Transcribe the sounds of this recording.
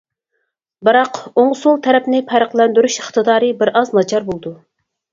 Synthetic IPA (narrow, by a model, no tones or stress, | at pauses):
bɨɾɑqoŋsulˠt̪ʰɛɾɛpnɪpʰæɾəqlˠɛnd̪yɾyʃəχt̪ɨd̪ɑːɾɨbɪɾʔɑznɑd͡ʒʰɑɾbolˠɨd̪u